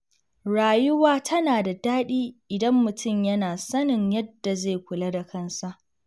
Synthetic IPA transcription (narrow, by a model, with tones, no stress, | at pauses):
ɽaː˨jʊ˦waː˦tʰɐ˦naː˨da˨daː˦ɗiː˦ʔɪ˨dɐ˦mːʊ˨tʰʊ˦˨mjɐ˦naː˨sɐ˦nɪ˨ɲjɐ˦dːa˨zeː˦˨kʷʊ˨la˦da˨kʰɐ˦nsa˦ʔ